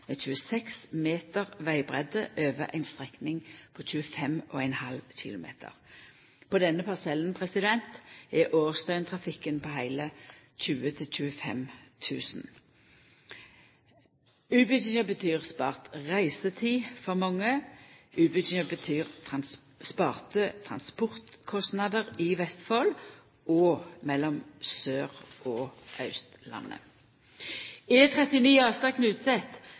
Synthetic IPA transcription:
meːc͡çʉːəsɛksmeːt̪əʁʋæɪbʁɛd̪əʔøːʋəʔæ̰ɪnst̪ʁɛknɪŋpʰɔc͡çʉːəfɛmʔo̰ːæɪnhɑlçɪ̰lʊmḛːt̪ʰə̰ʁ | pʰɔd̪ɛnːəpʰɑʁsɛlənpʰʁɛsɪd̪ɛnt̪ɛʔoːʁst̪œʏnt̪ʰʁɑfɪkənpʰɔːhæɪləc͡çʉːət̪ʰɪlc͡çʉːəfɛ̰mt̪ʰʉ̰ːsn̩ | ʉːbət͡ʃɪŋəbət̪ʰyːʁspɑ̰ːʁt̪ʁæɪsət̪ʰiːfɔʁmɔŋːəʔʉːbət͡ʃɪŋəbət̪ʰyːʁt̪ʰɑn | spɑːʁt̪ət̪ʰʁɑnspɔʁt̪kʰɔst̪nɑd̪əʁɪʋɛst̪fol | ɔːmɛlːɔmsøːʁɔːɑʉst̪lɑ̰nːə̰ | ɛt̪ʰʁɛt̪ɪniːɑːst̪ɑknʉːt̪sɛt̪

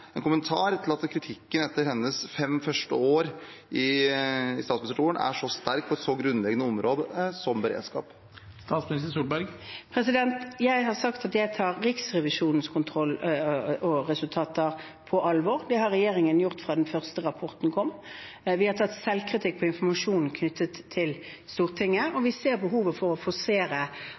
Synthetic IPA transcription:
ɛnkʊmənt̪ʰɑːɾt̪ʰɪlɑt̪kʰɾɪt̪ʰɪkːənɛt̪ːəɾhɛnːəsfɛmfœʂʈəoːɾɪ | ɪst̪ɑːt̪smnsɾʈʰuːənæ̰ʂɔst̪æɾk̚pʰɔɛt̪sɔɡɾʉnlɛɡənəɔmɾoːd̪əsɔmbəɾḛːd̪skɑ̰ːp | st̪ɑːt̪smɪnɪst̪əɾsuːlbæɾɡpʰɾɛsɪd̪ɛnt̪jæɪɦɑʁsɑkt̪ɑt̪jæɪt̪ʰɑːʁɾɪksʁɛʋɪʂuːnən̩skʰʊnt̪ʰʁɔlː | ɔʁɛsʉlt̪ʰɑːt̪əʁ | pʰɔʔɑlʋɔːʁd̪ɛhɑɾʁːɛjeːʁɪŋənjʊʁt̪fʁɑːd̪ɛnfœʁst̪əʁɑpʰɔʁt̪n̩kʰɔmː | ʋɪhɑʁt̪ʰɑt̪ːsɛlkʰʁɪt̪ʰɪk̚ːpʰɔɪnfɔmɑʂuːnn̩kʰnʏt̪ʰːət̪ʰːɪl | st̪uːʁt̪ʰɪŋːəɔʋɪseːɾbəɦuːʋəfɔʁɔfoseːɾə

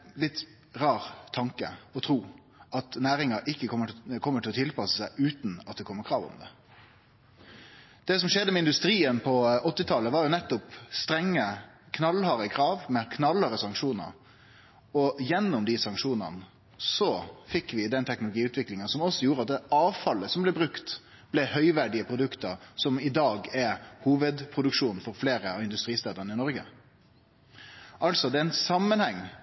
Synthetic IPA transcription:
lɪt̪ː | ʁɑːɾt̪ʰːɑŋkə̰ɔt̪ʰɾuː | ʔɑt̪næːɾɪŋɑʔɪkːəkʰɔmːəkʰɔmːəʈʰɪlɔt̪ʰɪlpɑsəsæɪʔʉːt̪n̩ɑt̪̚d̪ɛkɔmːəɾkʰɾɑːʋʊ̰md̪ɛ̰ | d̪̥ɛs̬ɔmʂɛd̪ːəmɛɪnd̪ʉst̪ɾiːənpʰɔɔt̪ːɪt̪ʰɑləʋɑːɾjʊnɛt̪ːʊpst̪ɾɛŋːə | kʰnɑlhɑɾəkʰɾɑːʋmɛkʰnɑləɾəsɑŋkʂuːnə̰ɾ | ɔjɛnːʊmd̪ɪsɑŋkʂuːnə̰n | sɔfɪkːʋɪd̪ɛnt̪ʰɛknʊlʊɡiːʉːt̪ʰʋɪklɪŋənsɔmɔsːɔjuːɾəɑt̪̚d̪ɛɑːʋfɑlːəsɔmblɛbɾʉkt̪ | b̥lɛhœʏʋæɖɪəpʰɾʊd̪ʉkt̪əɾsɔmɪd̪ɑːɡæɾhuːʋəd̪pʰɾʊd̪ʉkʂuːnfɔɾfleːɾəɑʋɪnd̪ʉst̪ɾiːst̪ɑːd̪əɾnɪnɔɾɡə̰ | ʔɑlsɔd̪ɛɛɪnsɑmːənhɛŋː

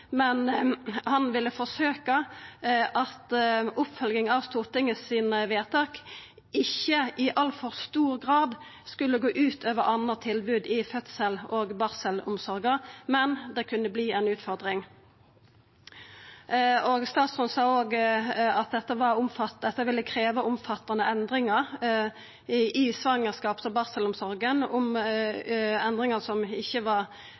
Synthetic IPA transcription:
mɛnhɑnʋɪlːəfɔsøːkɑ | ʔɑt̪ʊpfœlɡɪŋɑʋst̪uːʁt̪ɪŋəsiːnəʋeːʁt̪ʰɑːk | ʔɪçːəʔɪʔɑlfɔʁst̪uːʁɡʁɑːd̪ | skʉlːəɡoːʔʉːt̪ʰøːʋəʁʔɑnəʁt̪ʰɪlbʉːd̪ɪfœt̪səloːɡbɑʁsəlʊmsɔʁɡəmɛnd̪ɛkʰʉnːəbliːɛɪnʉːt̪fɔʁd̪ʁɪŋ | oɡst̪ɑːt̪sʁʊnsɑːoːɡɑt̪̚d̪ɛt̪ːəʋɑʁʊmfɑtd̪ɛt̪ːəʋɪlːəkʰʁeːʋəʊmfɑt̪ːɑnəʔɛnd̪ʁɪŋəʁ | ʔɪsʋɑŋːəʁskɑːpsɔbɑʁsəlʊmsɔɾɡənʊm | ɛnd̪ʁɪŋəsɔmɪçːəʋɑʁ

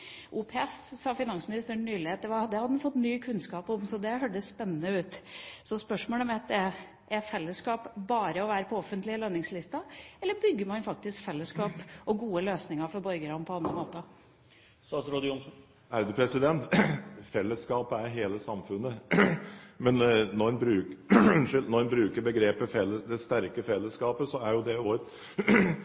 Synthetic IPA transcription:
ʔuːpʰeɛssɑːfɪnɑnsmɪnɪst̪əɳːyːlɪheːt̪̚d̪ɛʋɑd̪ɛhɑd̪ənfɔt̪ːnyːkʰʉnskɑːpɔmsɔd̪ɛɦøːɖəsspɛnːənəʉːt̪sɔspœʂmoːləmɛt̪̚d̪ɛ | ʔɛfɛlːəskɑːpbɑːɾəɔʋæːɾəpʰɔɔfənt̪lɪəlønːɪŋslɪst̪ɑɛlːəɾbʏɡːəɾmɑnfɑk̚t̪ɪskfɛlːəskɑːpɔɡuːəløːsnɪŋɑɾfɔɾbɔɾɡəɾɑmpʰɔɑnəmoːt̪ə | sɑsɾɔd̪ɪʊnsn | æɾd̪ʉːpʰɾɛsɪd̪ɛnt̪fɛlːəskɑːpəæɾɦeːləsɑmfʉnːə | mɛnnɔɛnbɾʉːnʂɪlnɔɛnbɾʉːkəɾbəɡɾeːpəfɛlːəd̪ɛst̪æɾkəfɛlːəskɑːpəsɔæɾjʊd̪ɛoːɾət̪

